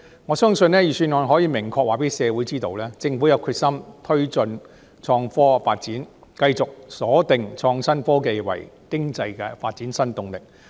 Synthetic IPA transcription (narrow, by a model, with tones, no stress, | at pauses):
ŋɔː˨˧sœː˥ŋsɵ˧nlɛː˥jiː˨˩syː˧nɔː˨nɦɔː˨˥jiː˨˧mɪ˨˩ŋkʰɔː˧k̚waː˨˩pe˨˥jsɛː˨˧wu˨˥jt͡siː˥t̪o˧wlɛː˥t͡sɪ˧ŋfuː˨˥jɐ˨˧wkʰyː˧t̚sɐ˥mt̪ʰɵ˥ɥt͡sɵ˧n | t͡ʃʰɔː˧ŋfɔː˥faː˧t̚t͡siː˨˥n | kɐ˧jt͡sʊ˨k̚sɔː˨˥t̪ɪ˨ŋt͡ʃʰɔː˧ŋsɐ˥nfɔː˥ke˧jwɐ̰˨˩jkɪ˥ŋt͡sɐ˧jkɛː˧faː˧t̚t͡siː˨˥nsɐ˥nt̪ʊ˨˧ŋlɪ˨k̚